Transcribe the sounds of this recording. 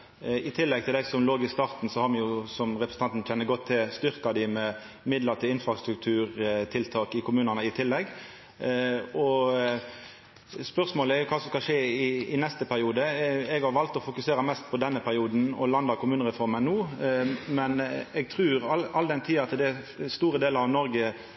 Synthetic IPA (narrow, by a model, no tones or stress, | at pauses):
ɪt̪ʰɪlːɛɡ̚t̪ɪld̪æɪsɔmloːɡɪst̪ɑːʁt̪n̩sɔhɑɾmɪjʊsɔmʁɛpʰɾʁs̩ɑnt̪n̩çɛnːəɡɔt̪ʰːɪlst̪ʏɾkɑd̪ɪmɛ | mɪd̪ləɾt̪ʰɪlɪnfɾɑst̪ɾʉk̚t̪ʰʉːɾt̪ʰɪlt̪ʰɑːkɪkʰʊmʉːnənəɪt̪ʰɪlːɛɡː | ɔ | spœʁsmoːləæɾjʊkʰɑːsɔmskɑʂeːɪɪnɛst̪əpʰæɾɪuːd̪əɛɡhɑɾʋɑlt̪ɔfʊkʉseːɾəmɛst̪pʰɔd̪ɛnːəpʰæɾɪuːd̪n̩ɔ̰lɑnd̪ɑkʰʊmʉːnəʁɛfɔɾmənuː | mɛnɛɡ̚t̪ʰʁʉːɾɑɑlːd̪ɛnt̪ʰiːɑt̪d̪ɛ | st̪uːɾəd̪eːlɾɑʋnɔɾɡə